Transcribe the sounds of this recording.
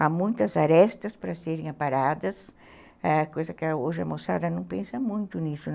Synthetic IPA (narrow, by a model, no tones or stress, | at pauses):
amũj̃t̪ɐzaɾɛst̪ɐspɾɐseɾẽŋapaɾad̪ɐs | ɛkojzɐkɪɐoʒɪɐ̰mosa̰d̪ɐnɐ̃w̃pẽnsɐmũj̃t̪ʊnisʊ